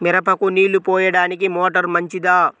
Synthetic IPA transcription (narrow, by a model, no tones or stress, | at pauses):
miɾɐpɐkuniːlupɔːjɐɽaːnikimoːʈɐɾmɐɲt͡ʃid̪aː